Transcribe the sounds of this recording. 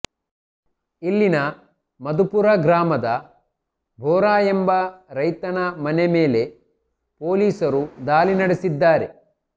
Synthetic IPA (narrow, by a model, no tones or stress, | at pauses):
ilːinɐ | mɐd̪upuɾɐɡɾaːmɐd̪ɐ | bʱɔːɾaːjembɐɾɐjt̪ɐnɐmɐneme̞ːle̞ | po̞ːliːsɐɾud̪aːlinɐɽesid̪ːaːɾe̞